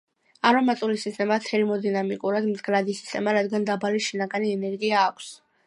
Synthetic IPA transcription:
aɾɔmat̪ʼulisist̪ʼɛmat̪ʰɛlimɔd̪inamikʼuɾad̪mɡɾad̪isi̥st̪ʼɛmaɾad̪ɡand̪abaliʃinaɡaniɛnɛɾɡiaːkʷʰs

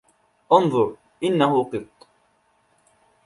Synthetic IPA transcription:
ʔɑnðˤʊɾˤ | ʔɪnːaɦʊqɨt̪ˤː

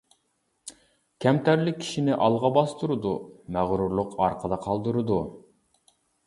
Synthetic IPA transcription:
kʲʰɛmt̪æɾlɪk̚ʲʰi̥ʃinɪʔɑlˠʁɑbɑst̪uɾɨd̪umæʁɾuɾlˠʊqʰɑɾqʰəd̪ɑqʰɑlˠd̪ɨɾɨd̪u

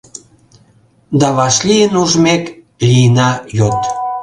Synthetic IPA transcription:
d̪ɑβɑʃlijənuʒmek | lijənɑjot̪

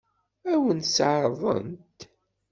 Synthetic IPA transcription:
æwənsʕɾˤðˤə̰nt̪

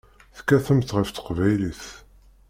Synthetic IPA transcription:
θkːæθəmθʁəft̪ə̥qvæjliθ

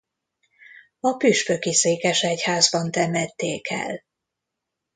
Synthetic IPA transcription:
ɒpyʃpø̞kiseːkɛʃɛchaːzbɒnt̪ɛmɛt̪ːeːkɛ̰l

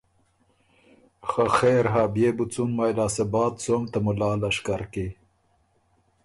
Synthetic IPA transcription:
xaxeːɾɦaːbjeːbut͡sunmajlaːsebɑːt̪soːmt̪amʊlɑːlaʂkaɾki

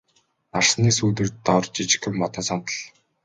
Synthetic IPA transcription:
narsniːsuːt̪ɘ̆rt̪ɔrt͡ɕit͡ɕɪ̥̆xɘ̆mːɔt̪ɔ̆ːsɔnt̪ə̆ɮ

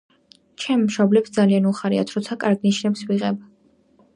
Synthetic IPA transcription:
t͡ʃʰɛmːʃɔblɛpsd̪zalianuχaɾia̰t̪ʰɾɔt̪sʰakʼaɾɡniʃnɛpswiʁɛb

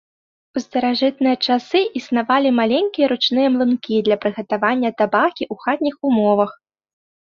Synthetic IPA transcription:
ust̪ɐɾaʐɨt̪̚nɨjɐt͡ʂasɨʔisnavalʲimalʲenʲkʲijɐɾut͡ʂnɨjɐmlˠɨnkʲid̪lʲɐpɾɨɣɐt̪avanʲːɐt̪abakʲiʔuxat̪ʲnʲixumɔvɐx

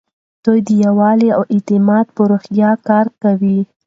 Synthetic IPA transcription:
d̪̥ojd̪əjawɑliawɪt̪ɪmɑd̪̚pəɾoxjɑkɑɾkawi

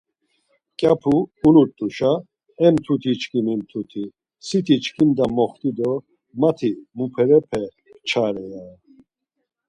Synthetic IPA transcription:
kʼjapʰuːnut̪ʼuʃa | ɛmt̪ʰut̪ʰit͡ʃkʰimimt̪ʰut̪ʰi | sit̪ʰit͡ʃkʰimd̪amɔχt̪ʼid̪ɔ | mat̪ʰimupʰɛɾɛpʰɛ | t͡ʃʰaɾɛja

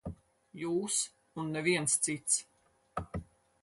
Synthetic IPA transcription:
juːs | unːɛviɛnst̪sit̪s

